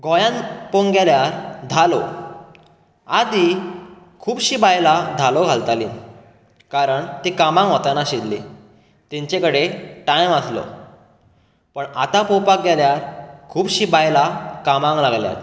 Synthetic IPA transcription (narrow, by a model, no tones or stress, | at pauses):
ɡɔjãnpoŋɡɛljaɾd̪ʱalo | ad̪i | kʰuːbɕiːbajlad̪ʱalɔɡʱalt̪alḭːn | kaɾəɳt̪ekamãŋɡɦɔt̪anaɕid̪le | t̪ẽɲt͡ɕekəɽeʈajməslɔ̰ | pəɳat̪apopak̚ɡɛljaɾkʰuːbɕiːbajlakamãŋɡlaɡlja̰t̪